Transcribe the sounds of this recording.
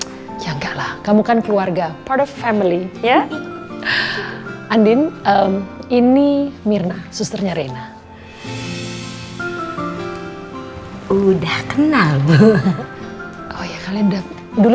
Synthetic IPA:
jaŋɡaʔlahkamukankluarɡapartɔfːɛmilija | andinəminimirnasust̪ərɲaɾena | udahkənalbu | ʔohjakalida | dul

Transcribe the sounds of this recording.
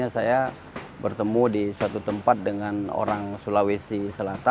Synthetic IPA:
asaja | bərt̪əmudisuat̪ut̪əmpat̪̚dəŋano̰ɾaŋsulawisisəlat̪a

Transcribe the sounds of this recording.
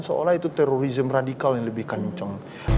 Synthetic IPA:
nsəo̰lahit̪ut̪ɛɾoɾizəmradikaljaŋləbɪhkaɲt͡ʃəŋ

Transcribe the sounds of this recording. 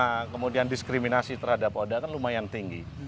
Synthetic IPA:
akəmudiandiskɾiminasit̪ərhadapodakanlumajant̪iŋɡḭ

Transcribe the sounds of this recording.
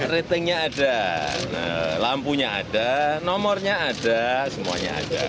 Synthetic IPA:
ret̪əŋɲaːdanə̰lampuɲaa̰danɔmɔrɲaad̥asəmua̰ɲa̰a̰d̥a̰

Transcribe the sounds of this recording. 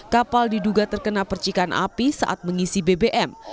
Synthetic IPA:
kapaldiduɡat̪ərkənapərt͡ʃikanʔa̰pisa̰ʔat̪̚məŋisibebeʔɛm

